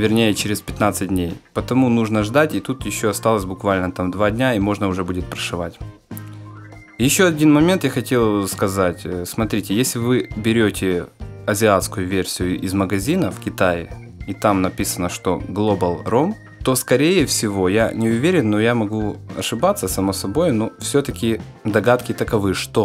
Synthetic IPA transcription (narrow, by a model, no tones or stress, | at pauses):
vʲɪrnʲejət͡ɕɪɾʲɪspʲɪt̪nat̪sɨt̚ʲdʲnʲejpət̪ɐmunuʐnəʐd̪atʲɪt̪ut̪jɪɕːoɐst̪alˠəsʲbʊkvalʲnət̪amd̪vadʲnʲaimo̞ʐnəʊʐɛbudʲɪt̪̚pɾəʂɨva̰tʲ | jɪɕːo̞ɐdʲinmɐmʲe̞nt̪jaxɐtʲe̞lˠskɐzatʲsmɐt̪ɾʲitʲɪjesʲlʲɪvɨbʲɪɾʲotʲɪɐzʲɪat̪skʊjʊvʲersʲɪjʊʔɪzməɡɐzʲinəfkʲɪt̪ajɪ̰ | it̪amnɐpʲisənəʂt̪o̞̰ɡlˠobəlˠrom | t̪o̞skɐɾʲejɪfsʲɪvo̞janʲɪʊvʲeɾʲɪnːojamɐɡuɐ̰ʂɨbat̪sːəsɐmosɐbo̞jʊnofsʲot̪əkʲɪ | d̪ɐɡat̪kʲɪt̪əkɐvɨʂt̪o